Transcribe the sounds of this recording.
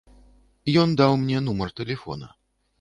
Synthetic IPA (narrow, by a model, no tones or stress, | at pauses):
jɔnd̪awmnʲɛnumɐrt̪ɛlʲɛfɔ̰nɐ̰